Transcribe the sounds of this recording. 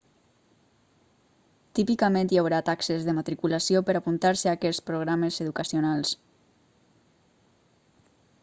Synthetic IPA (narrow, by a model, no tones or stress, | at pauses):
t̪ipikəmẽnt̪jawɾat̪aksəzðəmat̪ɾikulasiopəɾapunt̪aɾsəakɛspɾoɣ̞ɾaməzeðukəsionalˠs